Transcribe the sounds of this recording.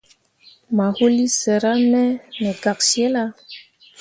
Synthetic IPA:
ma˨hu˦li˦sɛ˨ɾa˦nɛ˦nɛ˨ɡa˨ksjɛ˦la˦

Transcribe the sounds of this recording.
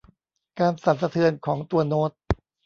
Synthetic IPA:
kaː˧nsa˨˦nsa˧t̪ʰɯ˧ənkʰɔː˩˦ŋt̪u˧ɐnoː˦˥t̪̚

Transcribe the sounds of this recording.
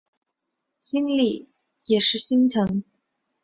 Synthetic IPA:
ɕi˥nli˥˩ | jɛ˨˩ʂɻ̩˥˩ɕi˥nt̪ʰɤ˧˥ŋ

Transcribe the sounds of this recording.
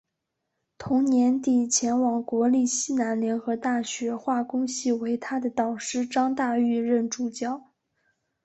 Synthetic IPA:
t̪ʰʊ˧˥ŋnjɛ˧˥nt̪i˨˩t͡ɕʰjɛ˧˥nwɑ˨˩ŋkwɔ˧˥li˥˩ɕi˥na˧˥nljɛ˧˥nxɤ˧˥t̪a˥˩ɕɥɛ˧˥xwa˥˩kʊ˥ŋɕi˥˩we˧˥ɪt̪ʰa˥d̪ə˨t̪ɑ˨˩ʊʂɻ̩˥˩ʈ͡ʂɑ˥ŋt̪a˥˧y˥˧ɻə˥˩nʈ͡ʂu˨˩t͡ɕjɑ˥˩ʊ

